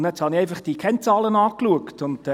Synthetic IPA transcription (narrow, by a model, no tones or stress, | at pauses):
nɛt͡shɑniɛɪfɑχd̥iəkʰɛnt͡sɑːlənɑːkluəktʊnd